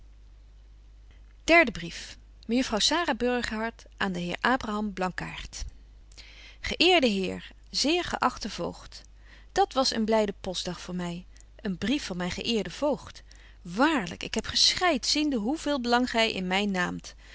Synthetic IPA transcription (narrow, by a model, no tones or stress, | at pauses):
d̥ɛɹdəbrif | məjəfrɑwsaːraːbɵɹχəɦɑɹt | ʔaːndəɦɪːɹʔaːbraɦɑmblɑŋka̰ːɹt | χəʔɪːɹdəɦɪːɹ | zɪːɹχə̰ʔɑχtəv̥o̰wχt | d̥ɑtʋɑsə̰nblɛjdəpɔzdɑχfʊːɹmɛj | ʔənbrifɑnmɛjnχəʔɪːɹdəv̥owχt | ʋaːɹlə̰kɪkɦɛpχəsχɛjtsindəɦuvɪːlˠbəlɑŋχɛjʔɪ̰nmɛjnːaːmt